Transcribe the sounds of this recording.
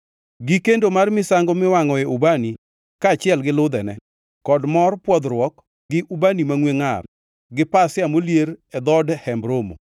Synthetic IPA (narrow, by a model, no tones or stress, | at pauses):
ɡikendomarmɪsaŋɡɔmɪwaŋɔɛʔubani | kaːt͡ʃɪɛlɡɪlʊd̪ɛnɛ | kɔdmɔrpwɔd̪ɾwɔk | ɡɪʔubanimaŋweŋa̰r | ɡɪpasɪamoljeɾɛd̪ɔdhɛmbɾomo̰